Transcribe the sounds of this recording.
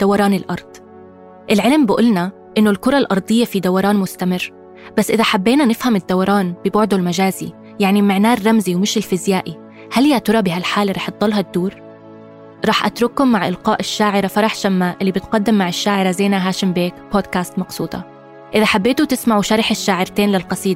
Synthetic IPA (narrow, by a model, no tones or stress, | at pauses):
d̪̥awɑɾˤɑːnɪlʔɑɾˤd̪̥ˤ | ʔɪlʕɪlmbɪʔʊlna | ʔɪnːʊlkʊɾˤɑlʔɑɾˤd̪ˤɨjːafid̪awɑɾˤɑːnmʊst̪amɪrː | b̥asːʔɪðaħabːeːnanɪfhamɪd̪ːawɑɾˤɑːnb̥ɪbʊʕd̪ulmaʒaːzi | jaʕnimaʕnaːrːɑmziwmɪʃɪlfɪzjaːʔi | haljat̪ʊɾˤɑbɪɦalħaːlɾˤɑːħd̪ˤːɑlɦɑt̪ːuːɾ | ɾˤɑːħʔat̪ɾʊkːʊmːaʕʔɪlqɑːʔɪʃːaːʕɪɾafɑɾˤɑħʃamːaʔɪlːibɪt̪qɑd̪ːɪmːaʕɪʃːaːʕɪɾazajːnaɦaːʃɪmbeːkboːd̪kaːst̪mɑqsˤuːt̪ˤɑ̰ | ʔɪðaħabːeːt̪ut̪ɪsmaʕuʃɑɾˤɪħɪʃːaːʕɪɾt̪eːnlɪlqɑsˤiːd̪̚